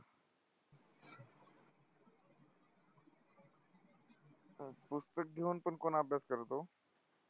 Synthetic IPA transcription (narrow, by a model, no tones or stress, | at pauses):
pʊst̪ək̚ɡ̪ʱjoːnpənkoːnaːpjaːskəɾd̪oː